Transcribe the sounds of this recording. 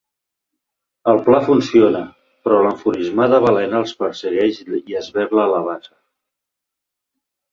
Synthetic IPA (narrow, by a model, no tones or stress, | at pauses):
əlˠplafunsionə | pɾɔləɱfuɾizmaðəβəlɛnəlˠspəɾsəɣɛʃiəzβɛɾləːləβazə